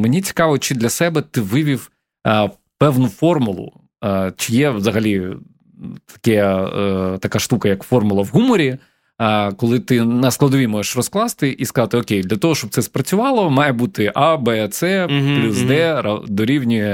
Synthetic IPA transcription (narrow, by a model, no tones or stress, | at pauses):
menʲit͡sʲi̥kɑʋɔt͡ʃɪd̪lʲɐsɛbɛt̪ɪʋɪʋʲiw | pɛwnʊfɔrmʊlˠʊ̰ | t͡ʃɪjɛʋzɐɦɐlʲi | t̪ɐ̥kɛ | t̪ɐkaʃt̪ukɐjɐkfɔrmʊlˠɐʋɦumɔɾʲi | kɔlˠɪt̪ɪnɐsklˠɐd̪ɔʋʲimɔʒeʃrɔsklˠɑst̪ɪʔiskɐzɑt̪ɪɔkʲejd̪lʲɐt̪ɔɦɔʃt͡ʃɔb̚t̪sɛspɾɐt͡sʲʊʋɑlˠɔmɑjɛbut̪ɪʔɑbɛt̪sɛplʲusd̪ɛɾɐ̰d̪ɔɾʲiwnʲʊjɛ